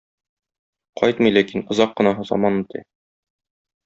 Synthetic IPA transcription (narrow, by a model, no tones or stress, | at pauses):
qʰɒjt̪mɤjlækinŏzɑqːɤ̆nɑɦɤ̆zɒ̰mɑnmɤt̪ɤ̰